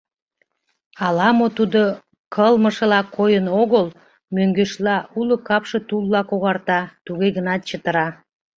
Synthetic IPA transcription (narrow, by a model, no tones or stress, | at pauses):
ɑlɑmot̪ud̪o | kʰəlməʃə̆lɑkʰojənoɣəl | møŋɡøʃlɑulokɑpʃet̪ulːɑkoɣɑrt̪ɑt̪uɣeɣənɑt̪̚t͡ɕət̪əɾɑ